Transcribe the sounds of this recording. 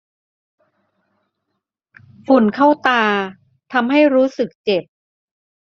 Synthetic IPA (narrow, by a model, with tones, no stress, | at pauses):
fu˨˩nkʰa˥˩wt̪aː˧ | t̪ʰa˧mɦa˥˩jɾuː˦˥sɯ˨˩k̚t͡ɕe˨˩p̚